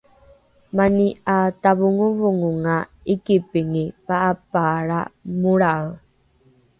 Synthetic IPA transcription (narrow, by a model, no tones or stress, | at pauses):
maniataβuŋuvuŋuŋa | ikipiŋipaʔːpaɾamuɾaw